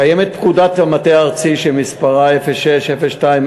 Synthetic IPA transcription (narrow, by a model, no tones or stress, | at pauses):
ajemet̪̚pkud̪at̪lamat̪eaʁt͡siʃemispaʁaefeʃeʃefeʃtaim